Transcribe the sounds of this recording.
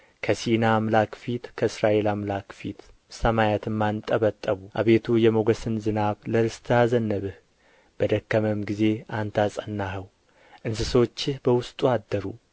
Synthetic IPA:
kʰəsinamlakfit̪kʰəɨsɾaʔe̞lamlakfit̪ | səmajat̪ʰɨmːant̪ʼːəβət̪ʼːəβuʔaβe̞t̪ʰujɛmoɡəsɨnzɨnaβləɾɨst̪ʰɨazənːəβɨh | b̥əd̪əkːəməmɡize̞ant̪ʰasʼənːaɦəw | ʔɨnsɨso̞t͡ʃːɪhbəwʊst̪ʼuad̪ːəɾu

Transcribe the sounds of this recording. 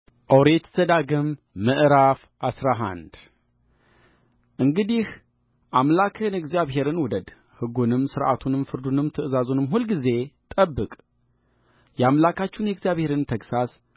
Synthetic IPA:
ʔowɾet̪z̥əd̪aɡɨmː | əʔɾaf | asɾaɦa̰nd̪ | ʔɨŋɡɨd̪ih | ʔamlakʰɨnɨɡzijaβɦe̞ɾɨnwɔd̪əd̪ | hɨɡunɨmsɨɾʔa̰t̪ʰunɨmfɨɾd̪unɨmt̪ʰɨʔɨzazunɨmɦulɡize̞t̪ʼəbːɨkʼ | jɛamlakat͡ʃːunjɛɡzjaβhe̞ɾɨnmt̪ʰəksas

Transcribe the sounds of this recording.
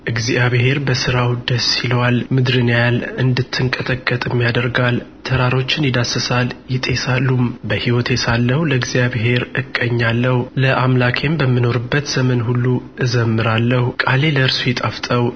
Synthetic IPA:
ʔɨɡzijaβhe̞ɾbəsɨɾawd̪əsːilwalmɨd̪ɾɨnejalɨnd̪ɨt̪ʰːɨŋkʼət̪ʼəkʼːət̪ʼɪmːijad̪əɾɡalt̪ʰəɾaɾo̞t͡ʃːɪnɪd̪asːəsaljɪt̪ʼe̞salːumbəhiwɔt̪ʰjɛsalːəhuləɨɡzijaβɦe̞ɾɨkʼːəɲːalːəhuləʔamlakʰʼe̞mbəmːɨno̞ɾɨbːət̪z̥əmənɦulːuʔɨzəmːɨɾalːəhukʼale̞ləɨɾsujɛt̪ʼaft̪ʼəw

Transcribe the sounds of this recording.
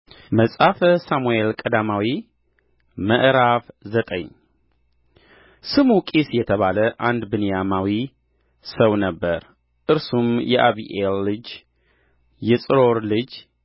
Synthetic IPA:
məsʼafəsamuelkʼəd̪amawi | mə̰ʔɾafzət̪ʼə̰ɲ | sɨmukʼisjɛt̪ʰəβaləʔand̪bɨnijamawi | səwnəbːəɾ | ʔɨɾsumjɛʔaβḭʔelːɨd͡ʒ | jɛsʼɨɾo̞ɾlɨd͡ʒ

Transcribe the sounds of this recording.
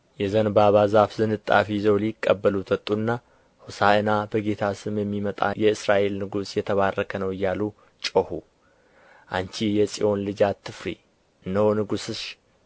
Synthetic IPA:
jɛzənbaβazafzɨnɨt̪ʼːa̰fizowlikʼːəbːəlut̪ʰwɔt̪ʼːuɨnːa | husaənabəɡe̞t̪ʰasɨmjɛmːimət̪ʼa̰jɛɨsɾaʔe̞lnɨɡusjɛt̪ʰəβarːəkʰənəwɨjːalu | t͡ʃʼohu | ʔa̰ɲt͡ʃijɛsʼḭʔo̞nlɨd͡ʒat̪ʰːɨfɾḭ | ʔɨnːəhonɨɡusɨʃ

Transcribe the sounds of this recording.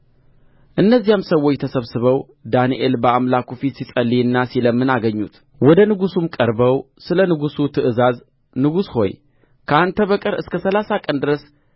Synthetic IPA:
ʔɨnːəzːijamsəwːot͡ʃt̪ʰəsəβsɨβəw | d̪aniʔelbəamlakufit̪sisʼəlːiɨnːasiləmːɨnaɡəɲːut̪ | wɔd̪ənɨɡusumkʼəɾbəw | sɨlənɨɡusut̪ʰɨʔɨzaz | nɨɡusho̞̰j | kʰəʔant̪ʰəβəkʼɨɾɨskʰəsəlasakʼənd̪ɨɾəs

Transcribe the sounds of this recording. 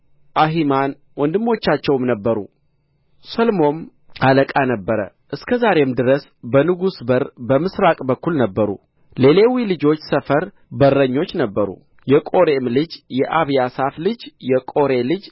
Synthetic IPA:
ʔaɦiman | wɔnd̪ɨmːo̞t͡ʃːat͡ʃːɛwmnəbːəɾṵ | səlmo̞n | aləkʼanəbːəɾə̰ | ʔɨskʰəzaɾe̞md̪ɨɾəs | bənɨɡusbəɾbəmɨsɾakʼbəkːulnəbːəɾṵ | le̞lewilɨd͡ʒo̞t͡ʃːsəfəɾ | bərːəɲːo̞t͡ʃːnəbːəɾṵ | jɛkʼo̞ɾemlɨd͡ʒjɛʔaβjasaflɨd͡ʒjɛkʼo̞ɾe̞lɨd͡ʒ

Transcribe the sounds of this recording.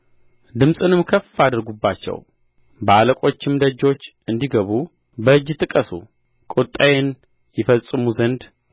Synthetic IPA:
d̪ɨmsʼɨnɨmkʰəfad̪əɾɡubːat͡ʃːɛ̰w | bəaləkʼo̞t͡ʃːɪmd̪əd͡ʒo̞t͡ʃː | ɨnd̪iɡəβu | bəɨd͡ʒːt̪ʼɨkʼəsṵ | kʼut̪ʼːajen | jɛfəsʼɨmuzənd̪

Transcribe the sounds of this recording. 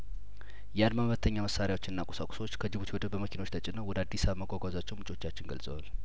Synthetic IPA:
jɛad̪mamβət̪ʰːəɲːaməsaɾjawot͡ʃːɪnɨnːakʼu̥sakʼu̥so̞t͡ʃːkʰəd͡ʒɨβut̪ʰiwod̪əbəməkʰinot͡ʃːt̪ʰət͡ʃʼɪnəwɔd̪əad̪ːisaβmːəkʷʼakʷʼazat͡ʃːɛwmut͡ʃʼo̞t͡ʃːat͡ʃːɪnɡə̰lsʼəwal

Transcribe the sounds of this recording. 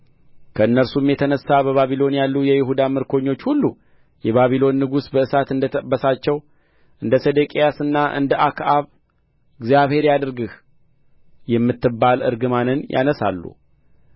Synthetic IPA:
kʰəɨnːəɾsumjɛt̪ʰənəsːabəβaβilo̞njalːujɛjɪɦud̪amɨɾkʰo̞ɲːo̞t͡ʃːhulːu | jɛβaβilo̞nːɨɡusbəɨsat̪ɨnd̪əbəsat͡ʃːɛw | ʔɨnd̪əsed̪ekʼijasɨnːaʔɨ̰nd̪əʔakʰʔaβ | ɨɡzijaβhe̞ɾjad̪ɨɾɡɨh | jɛmːɨt̪ːɨbːalɨ̰ɾɡɨmanɨnjʔa̰nəsa̰lːṵ

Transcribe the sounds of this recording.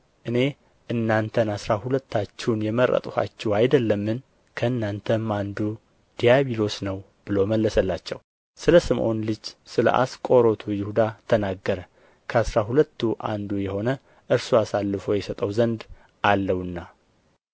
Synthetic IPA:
ʔɨne̞ | ʔɨnːant̪ʰənasɾahulət̪ːat͡ʃːɛwnjɛməɾə̰t̪ʼuha̰t͡ʃːɛwajd̪əlːəmːɨn | kʰəɨnːant̪ʰəmand̪u | d̪̥ijaβilo̞snəw | b̥ɨloməlːəsəlːat͡ʃːɛ̰w | sɨləsɨmʔo̞nlɨd͡ʒsɨlə̰ʔa̰skʼo̞ɾo̞t̪ʰujɪhud̪at̪ʰənaɡːəɾə | kʰəasɾaɦulət̪ːuʔand̪ujɛho̞nə | ʔɨɾsuasalːɨfo̞jɛsət̪ʼəwzənd̪ | ʔalːəwɨnːa

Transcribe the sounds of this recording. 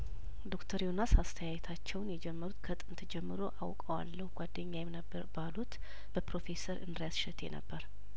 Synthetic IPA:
d̪o̞kt̪ʰəɾjonasast̪ʰəjajɛt̪ʰat͡ʃːɛwnjɛd͡ʒɛmːəɾut̪kʰət̪ʼɨnt̪ʰd͡ʒɛmːɨɾo̞ʔawkʼəwa̰lːəhuɡ̥ʷad̪ːəɲːajɛmnəb | balut̪ | b̥əpɾo̞fe̞səɾʔɨ̰nɾjasʃɛt̪ʰe̞̰nə̰bːəɾ

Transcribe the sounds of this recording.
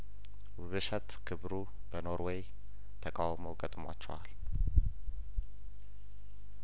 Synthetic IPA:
wʊβɨʃət̪kʰɨβɾu | bəno̞ɾwɛj | t̪ʰəkʼawməwkʼət̪ʼmwat͡ʃːɛwa̰l

